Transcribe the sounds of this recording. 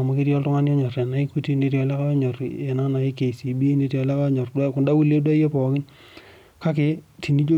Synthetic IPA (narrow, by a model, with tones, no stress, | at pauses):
a˨ma˨kɪ˦ɾjɔ˦ltʊ˦ŋa˦njɔ˦ɲɔ˨ɾɛ˨na˨ɪ˦ku˦ti˦ne˦ɾi˦ɔ˨lɛ˦ka˦ɲɔ˨re˨na˦na˨ɪ˦ke˨si˨bi˦ne˨tjɔ˨lɛ˦ka˦ɲɔ˨rda˦kʊ˨nda˦wu˦le˦dwa˦je˦pɔ˨kɪ˦n | ka˦k̬ɪ˦tʰi˨ni˦d͡ʒo˦